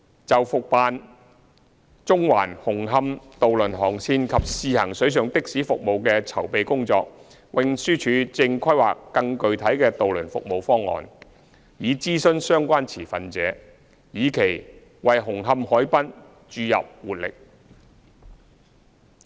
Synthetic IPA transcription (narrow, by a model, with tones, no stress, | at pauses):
t͡sɐ˨wfʊ˨k̚paː˨n | t͡sʊ˥ŋwaː˨˩nhʊ˨˩ŋɦɐ˧mt̪o˨wlɵ˨˩nɦɔː˨˩ŋsʰiː˧nkʰɐ˨p̚siː˨˧hɐ˨˩ŋsɵ˨˥ɥs̬œː˨ŋt̪ɪ˥k̚siː˨˥fʊ˨k̚mo˨wkɛː˧t͡sʰɐ˨˩wpe˨jkʊ˥ŋt͡sɔ̰ː˧k̚ | wɪ˨˧ŋsyː˥t͡ʃʰyː˨˥t͡sɪ˧ŋkʰɐ˥jwa̰ː˨kːɐ˧ŋkɵ˨ɥt̪ʰɐ˨˥jkɛː˧t̪o˨wlɵ˨˩nfʊ̰˨k̚mo˨wfɔː˥ŋːɔ̰ː˨n | jiː˨˧t͡siː˥sɵ˥˧nsœː˥ŋkʷaː˥nt͡sʰiː˨˩fɐ˨nt͡sɛ̰ː˨˧˥ | jiː˨˧kʰe˨˩j | wɐ˨jɦʊ˨˩ŋɦɐ˧mhɔː˨˥jpɐ˥n | t͡ʃyː˧jɐ̰˨p̚wuː˨t̚lɪ̰˨k̚